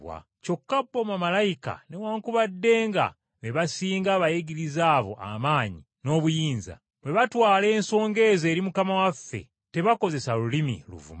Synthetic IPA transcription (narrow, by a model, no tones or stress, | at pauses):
wa̰ | co̞kːabːo̞mamalajika̰newaːŋkuβadːe̞ːŋɡa̰ | βe̞βasiːŋɡaːβajeɡiɾizaːβo̞̰ʔa̰maːɲi | no̞ːβujiːnza̰ | βwe̞βatwaːle̞ːnso̞ːŋɡe̞ːze̞ːɾimukamawafːe̞̰ | te̞βako̞ze̞salulimḭlṵvṵma